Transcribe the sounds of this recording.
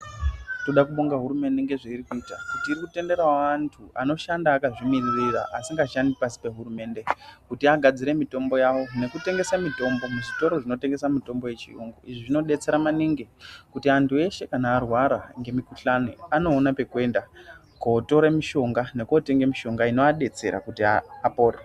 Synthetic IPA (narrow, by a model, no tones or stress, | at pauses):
to̞ɗakuɓo̞ŋɡaɦuɾume̞nde̞ŋɡe̞ʐeiɾikuitakutiːɾikute̞nde̞ɾaantʰua̰no̞ʃandaːkaʐimiririra̰ʔasiŋɡaʃandipasi̥pe̞ɦurume̞nde̞kutiaɡʱad͡ziɾe̞mito̞mbo̞jawo̞ne̞kute̞ŋɡe̞samito̞mbo̞muʐito̞ɾo̞ʐino̞te̞ŋɡe̞samito̞mbo̞je̞t͡ʃḭoŋɡoʔiʐiʐino̞ɗe̞t͡se̞ɾamaniŋɡekutiantʰue̞ʃe̞kanaːrwaɾaŋɡe̞mikuɬaniano̞ːnape̞kuwe̞nda | koto̞ɾemiʃo̞ŋɡane̞kote̞ŋɡemiʃo̞ŋɡaino̞aɗe̞t͡se̞̰ɾa̰kutiaːpo̞ːre